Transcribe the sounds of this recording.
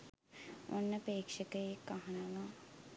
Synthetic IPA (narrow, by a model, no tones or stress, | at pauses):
o̰nːəpeːkʂəkəjekaɦanəʋa